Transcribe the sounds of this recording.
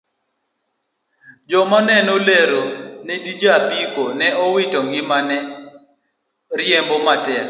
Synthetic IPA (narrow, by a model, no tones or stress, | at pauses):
d͡ʒɔmanɛnɔleɾonɛdid͡ʒapikonɛɔwɪtɔŋɡɪmanɛ | ɾjembɔmatɛk